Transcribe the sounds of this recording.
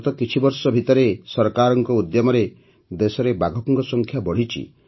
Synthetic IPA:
t̪ɔkit͡ʃʰibɔɾsɔbʱit̪ɔɾesɔɾkaɾɔŋkɔud̪jɔmɔɾe | d̪esɔɾebaɡʱɔpɔŋkɔsɔŋkʰjabɔɽ̤it͡ʃʰḭ

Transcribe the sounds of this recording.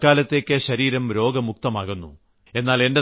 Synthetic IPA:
kaːlɐt̪ːeːkʲːɨɕɐɾiːɾɐmɾo̞ːɡɐmuk̚t̪ɐmaːɣunːṵ | e̞nːaːle̞nde̞

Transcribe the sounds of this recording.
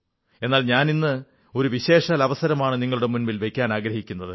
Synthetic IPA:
e̞nːaːlɲaːninːɨ | o̞ɾuʋiɕe̞ːʂaːlɐʋɐsɐɾɐmaːɳɨniŋːɐɭuɽe̞munmilʋe̞kʲːaːnaːɡɾɐhikʲːunːɐðɨ

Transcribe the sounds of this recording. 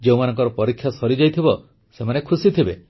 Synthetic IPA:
d͡ʒeumanɔŋkɔɾɔpɔɾikʰːjasɔɾid͡ʒajt̪ʰibɔ | semanekʰusit̪ʰibe

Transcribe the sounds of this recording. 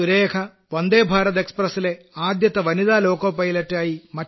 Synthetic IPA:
uɾeːkʰɐ | ʋɐnd̪eːbʱaːɾɐt̪ekspɾɐsile | aːd̪jɐt̪ɐʋɐnid̪aːloːkɐːpɐjlɐʈːaːjimɐ

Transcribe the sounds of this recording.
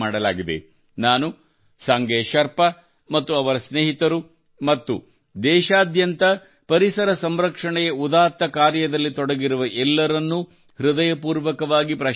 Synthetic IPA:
aːɽɐlaːɡid̪ḛ | naːnu | sɐŋɡɛːʃɐɾpɐ | mɐt̪ːuɐʋɐɾɐsneːɦit̪ɐɾu | mɐt̪ːu | d̪ɛːʃaːd̪jɐnt̪ɐ | pɐɾisɐɾɐsɐmɾɐkʂɐɳɛjeud̪aːɾt̪ːɐkaːɾjɐd̪ɐlːit̪ɔɽɐɡiɾuʋɐʔɛlːɐɾɐnːu | hɾud̪ɐjɐpuːɾʋɐkɐʋaːɡipɾɐ

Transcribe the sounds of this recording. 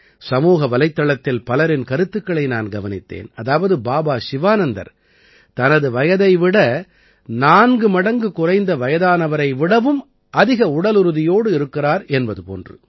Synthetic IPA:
sɐmuːɣɐʋɐlɐɪt̪ːɐɭɐt̪ːɪlpɐlɐɾɪnkɐɾɯt̪ːɯkːɐɭɐɪna̰ːnɡɐʋɐnɪt̪ːḛːnɐðaːʋɐðɯbaːbaːsɪʋaːnɐnd̪ɐ̰ɾ | t̪ɐnɐðɯʋɐjɐðɐɪʋɪɽɐ | naːnɡɯmɐɽɐŋɡɯkʊrɐɪnd̪ɐʋɐjɐðaːnɐʋɐɾɐɪʋɪɽɐʋɯm | ʔɐðɪɣɐʊɽɐlɯɾɯðɪjoːɽɯɪɾɯkːɪraːɾɛnbɐðɯpo̰ːndrɯ̰

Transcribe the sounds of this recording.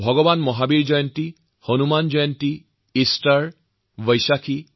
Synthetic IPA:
bʱɔɡɔbanmɔɦabiɹd͡ʒɔjɔnti | honumand͡ʒɔjɔnti | istaɹ | bɔjsakʰi

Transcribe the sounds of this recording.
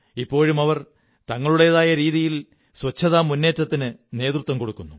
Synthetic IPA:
ipːo̞ːɻumɐʋɐr | t̪ɐŋːɐɭuɽejɐðaːjɐɾiːðijil | swɐt͡ɕʰːɐðaːmunːe̞ːtːɐt̪ːinɨne̞ːt̪rut̪ʋɐmko̞ɽukːunːu

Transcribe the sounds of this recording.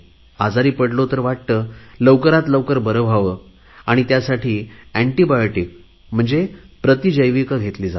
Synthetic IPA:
ad͡zaɾiːpəɽlot̪əɾʋaʈ̚t̪ələwkəɾat̪ləwkəɾbəɾəbʱaʋə | aɽ̃it̪jasaʈʰiːæ̃ɳʈibajoʈik̚ | m̤əɳd͡zepɾət̪id͡ʑəjʋikəɡʱet̪liːd͡za

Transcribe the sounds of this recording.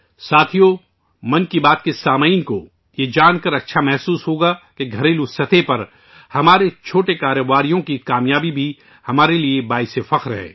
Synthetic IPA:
saːt̪ʰijo | mɐ̃nkibaːt̪kesaːmainko | jed͡ʒaːnkɐɾɐtːʃʰamɛɦsuːsɦoːɡakeɡʱɐɾeːlusɐt̪ʰepɐɾ | hɐmaːɾet͡ʃʰoːʈekaːɾəʋaːɾijõkikaːmjaːbibʱi | hɐmaːɾeliebaːɪsefɐqɾɦɛ̰ː

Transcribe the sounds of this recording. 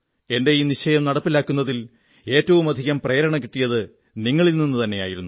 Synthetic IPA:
e̞nde̞jiːniɕɐjɐmnɐɽɐpːilaːkːunːɐðil | e̞ːtːɐʋumɐd̪ʱiɣɐmpreːɾɐɳɐk̬iʈːijɐðɨ | niŋːɐɭilninːɨt̪ɐnːe̞jaːjiɾunːu

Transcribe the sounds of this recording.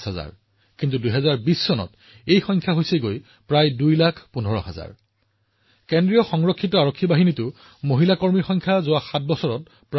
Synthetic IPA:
sɦaza̰ɹ | kintuduɦɛzaɹbisːɔnɔ̰t | ejxɔjŋkʰjaɦojseɡoj | pɹajdujlakʰpunʱɔɹɔ̰ɦa̰za̰ɹ | kendɹijɔxɔŋɹɔkʰːitɔaɹokʰːibaɦinitʊ | moɦilakoɹmiɹxɔjŋkʰjazʊaxat̚bɔsɔɹɔt̚ | pɹ

